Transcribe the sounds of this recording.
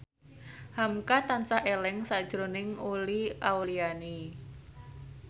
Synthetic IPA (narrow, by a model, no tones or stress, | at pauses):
hamkat̪ansaɦelɛŋsad̥ʒ̥ɾonɪŋuliawliani